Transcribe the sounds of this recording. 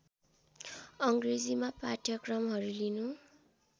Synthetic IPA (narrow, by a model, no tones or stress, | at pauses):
ʌŋɡred͡zimapaʈʰjʌkrʌmɦʌɾulinu